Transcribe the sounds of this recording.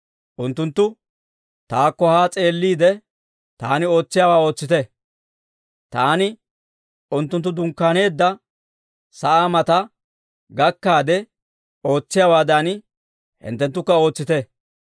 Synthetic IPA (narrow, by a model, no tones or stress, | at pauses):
ʔʊnt̪ːʊnt̪ːʊ | t̪aːkːɔhaːt͡sʼe̞ːlːiːd̪ɛ | t̪aːnɪo̞ːt͡sːɪjaːwaːo̞ːt͡sːɪt̪ɛ | t̪aːnɪ | ʊnt̪ːʊnt̪ːʊd̪ʊŋkːaːne̞ːd̪ːɐ | sɐʔaːmɐt̪ɐ | ɡɐkːaːd̪ɛ | o̞ːt͡sːɪjaːwaːd̪ɐn | hɪ̰nt̪ːɛnt̪ːʊkːɐo̞ːt͡sːɪt̪ɛ